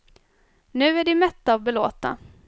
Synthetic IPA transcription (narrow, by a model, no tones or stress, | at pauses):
nʉ̟ːæɖɪmɛt̪ːavbɛloːt̪a̰